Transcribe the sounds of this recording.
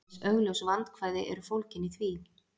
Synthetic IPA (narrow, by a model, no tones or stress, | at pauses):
œɥɣlœwsvant̪kʰvaːjðɪʔɛ̰ɾʏfowlcɪniθvi